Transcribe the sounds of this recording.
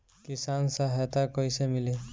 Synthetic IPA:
kisansaɦɛt̪akɔjsemili

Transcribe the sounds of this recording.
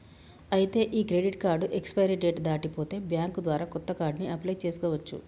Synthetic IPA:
ɐjit̪e̞ːʔiːkɾe̞ɖiʈkaːɾɖuʔekspɐjɾiɖeːʈd̪aːʈipo̞ːt̪e̞ːbjaːŋkd̪ʋaːɾaːkɔt̪ːɐkaːɾɖniʔɐplɐjt͡ʃe̞ːsu̥kɔːʋɐt͡ʃːṵ

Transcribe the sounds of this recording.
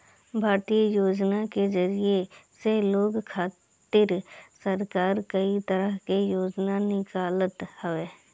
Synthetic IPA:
bʱaːɾt̪ijəjoːd͡ʒnakezəɾijeseɦloːɡkʰaː | t̪ɪɾsəɾkaːɾkəit̪əɾəɦkejoːd͡ʒnanɪkaːlət̪həʋeː

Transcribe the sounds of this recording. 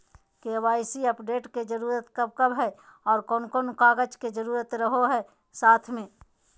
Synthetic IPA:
keʋaːɪsiəpɖeːʈked͡ʒəɾuːɾət̪kəb̚kəbɦɛɔːɾkɔːnkoːnkaːɡəd͡ʒked͡ʒəɾuːɾət̪ɾəɦoɦɛː | saːt̪ʰmẽː

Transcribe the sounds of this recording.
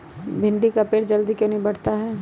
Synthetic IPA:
bʱɪ̃ɳɖikapeːʈd͡ʒɐld̪ikjõːnɐɦĩbɐɽ̤t̪aɦɛ

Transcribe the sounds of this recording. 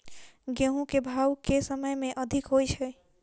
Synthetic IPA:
ɡeɦũkebʱawkesəməjmẽʔəd̪ʱikɦojt͡ʃʰɛ

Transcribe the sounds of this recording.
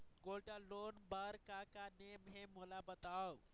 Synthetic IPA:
ɡolʈalonbəɾkakanemɦemolabət̪aw

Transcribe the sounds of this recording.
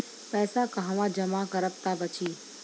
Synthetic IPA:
pɛːsakaɦʋãd͡ʒəmakəɾəpt̪abət͡ʃʰiː

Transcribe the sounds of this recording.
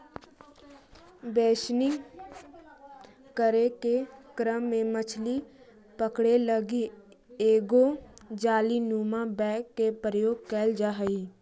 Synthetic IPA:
beːʃni | kəɾekekɾəmːẽmət͡ʃʰli | pəkɽeləɡe | eːɡod͡ʒaːlinuːmabɛːkːepɾəjoːɡ̚kɛːld͡ʒaɦəi

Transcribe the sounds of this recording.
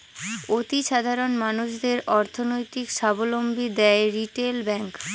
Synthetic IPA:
ot̪iʃad̪ʱaɾonmanuʃd̪eɾʔɔɾt̪ʰonojt̪ikʃabolombʱid̪ɛeɾiʈelbɛŋk

